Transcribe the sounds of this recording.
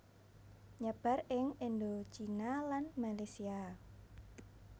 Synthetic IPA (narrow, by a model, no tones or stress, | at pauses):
ɲəb̥a̤rɪŋend̪ot͡ʃinalanmalesia